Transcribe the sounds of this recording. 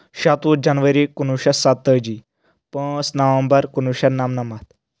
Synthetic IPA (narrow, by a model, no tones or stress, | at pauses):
ɕat̪ud͡ʑanʋəɾikunuɕasat̪ːəd͡ʑiː | pə̃snəʋə̃mbəɾkunuɕanamnamat̪